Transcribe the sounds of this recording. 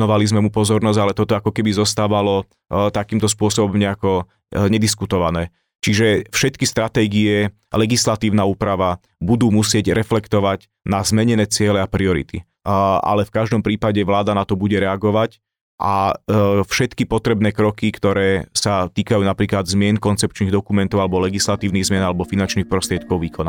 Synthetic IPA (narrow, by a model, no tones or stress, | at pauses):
ɔʋalizmɛmupɔzɔɾnɔzɟalɛt̪ɔt̪ɔakɔkɛbizɔst̪aːʋalɔ | t̪akiːmt̪ɔs̬pʊɔsɔbɔmɲɛakɔ | ɲɛd̪iskut̪ɔʋanɛː | t͡ʃiʒɛfʃɛt̪kist̪ɾat̪ɛːɡiɛ | lɛɡislat̪iːʊnauːpɾaʋa | bud̪uːmusɪɛɟɾɛflɛkt̪ɔʋaɟ | nazmɛɲɛnɛːt͡sɪɛlɛapɾiɔɾḭt̪ḭ | a̰lɛfkaʒd̪ɔmpɾiːpaɟɛʋlaːd̪anat̪ɔbuɟɛɾɛaɡɔʋac | ʔa | fʃɛt̪kipɔt̪ɾɛbnɛːkɾɔkikt̪ɔɾɛːsat̪iːkajuːnapɾiːklad̪zmɪɛnkɔnt͡sɛp̚t͡ʃniɣd̪ɔkumɛnt̪ɔʊalɛbɔlɛɡislat̪iːʊniɣzmɪɛnalɛbɔfinant͡ʃnixpɾɔst̪ɾɪɛt̪̚kɔʊʋiːkɔna